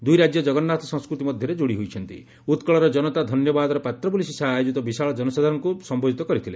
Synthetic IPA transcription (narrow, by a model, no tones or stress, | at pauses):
d̪ujɾad͡ʒjɔd͡ʒɔɡɔnːat̪ʰɔsɔ̃ŋskɾut̪imɔd̪ʱjɔɾed͡ʒoɽiɦojt͡ʃʰɔnt̪ḭ | ut̪kɔɭɔɾɔd͡ʒɔnɔt̪ad̪ʱɔnjɔbad̪ɔɾɔpat̪ɾɔpulisisaɦajod͡ʒit̪ɔbisaɭɔd͡ʒɔnɔsad̪ʱaɾɔŋkusɔmbod͡ʒit̪ɔkɔɾit̪ʰile